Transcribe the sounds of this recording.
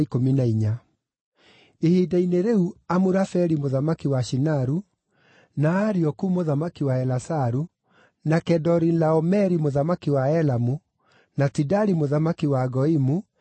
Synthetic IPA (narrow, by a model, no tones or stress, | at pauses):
ikominaiɲa | ehidaineɾeuamuɾafɛɾimoðamakiwaʃinaɾu | naːɾiɔkumoðamakiwaɛlasaɾu | nakɛdɔɾilaɔmɛɾimoðamakiwaɛlamu | natidaɾimoðamakiwaɡɔimu